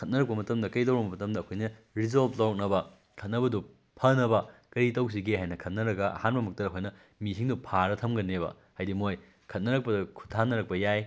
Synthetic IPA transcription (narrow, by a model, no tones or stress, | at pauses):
kʰɐt̚nɐɾɐk̚pɐmɐtɐmdɐkɐjtɐwɾɐmbɐmɐtɐmdɐːkʰojnɐɾizolp̚lawk̚nɐbɐ | kʰɐt̚nɐbɐdu | pʰɐnɐbɐkɐɾitɐws̬iɡeɦajnɐkʰɐt̚nɐɾɐɡɐʔɐ̰hanbɐmɐk̚tɐɾɐkʰojnɐ | misiŋdupʰaɾɐtʰɐmɡɐneβɐ̰ | hajdimoj | kʰɐt̚nɐɾɐk̚pɐdɐkʰu̥tʰanɐɾɐk̚pɐjaj